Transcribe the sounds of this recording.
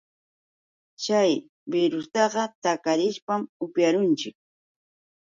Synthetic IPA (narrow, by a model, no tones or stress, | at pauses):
t͡ʃaj | bɪɾʊst̪ɑɢɑt̪akaɾɪʃpamʊpjaɾʊnt͡ʃɪk̚